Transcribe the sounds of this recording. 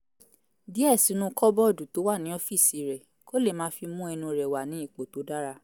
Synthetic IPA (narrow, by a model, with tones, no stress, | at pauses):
di˨˦ɛ˦˨si˨˦nũ˧kɔ˦bɔ˦˨du˨to˨˦wa˦˨nĩ˨˦ɔ˦fi˦˨si˨˦ɾɛ˨ | ko˦le˦˨mãː˨˦fi˧mũ˦ɛ˧nũ˧ɾɛ˨wa˨nĩ˨˦i˦˨k͡po˨˦to˨˦da˦ɾa˧